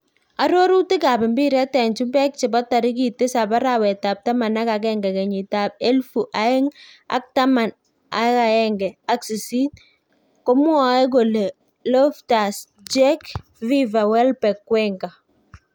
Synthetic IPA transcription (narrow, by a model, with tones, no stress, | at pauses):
a˨ɾo˦ɾu˦tɪ˦ka˨pɪ˨mbi˦ɾɛ˦tɛ˨ɲt͡ʃu˦mbɛ˦k̚t͡ʃɪ˨bɔ˦ta˨ɾɪ˦ki˨tɪ˦sa˨pa˦ɾawɛ˨ta˨p̚ta˦ma˨na˦kakɛŋɡɛ˨kɛ˨ɲɪ˨ta˨p̚e˦lfu˨ʔa˦ɪ˦ŋa̰˦k̚ta˦ma˨n | a˦ka˨ɛŋɡɛ˨a˦ksi˨si˦t | ko˦mwa˨˦ɛ˦k̬o˨le˨ | lɔ˦fta˨s | d͡ʒɛ˦k | vi˦va˨wɛ˦lpɛ˨kːwɛŋɡa˨